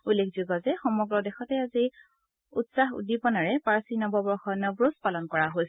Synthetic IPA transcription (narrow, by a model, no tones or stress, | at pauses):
ulːekʰzuɡɔzɛxɔmɔɡɹɔdɛxɔtɛazi | utsaxṵdipɔnaɹɛpaɹsinɔbɔbɔxɔnəbɹospalɔnkɔɹaɦoj